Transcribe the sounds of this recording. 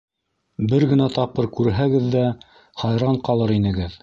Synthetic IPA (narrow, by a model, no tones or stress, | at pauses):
bɘɾɡɘ̆næt̪ɑp̚qɤɾkʉɾɦæɡɘðːæ | χɑjɾɑɴqɑlˠɤɾinɘ̆ɡɘð